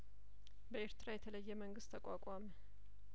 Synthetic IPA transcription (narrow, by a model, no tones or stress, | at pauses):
bəe̞ɾt̪ʰɨɾajɛt̪ʰələjːɛməŋɡɨst̪ʰːəkʷʼakʼamə